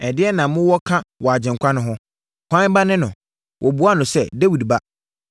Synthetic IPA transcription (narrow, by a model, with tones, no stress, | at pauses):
ɛ˨dɪ˦ɛ˦nã˨˦mʊ̃˦wɔ˦kʰã˦wɔ˨a˨d͡ʑɪ̃˨ŋ̩˨kʷʰã˦nʊ̃˨ɦʊ̃˦ | kʰʷã˦n˦ba˦nɪ̃˦nʊ̃˨ | wʔɔ˨bu˦a˦˨nʊ̃˨sɛ˦˨de˦wi˨dba˦